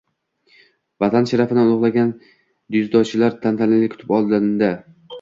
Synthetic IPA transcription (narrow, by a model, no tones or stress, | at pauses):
vat̪ʰanʃaɾafɪd̪anʊʁlˠaɡʲan | d̪ʊzd̪ɒt͡ʃʰɪlaɾt̪ʰant̪ʰanɪlɪkʰʊ̥t̪ɪ̥pɒlˠd̪and̪a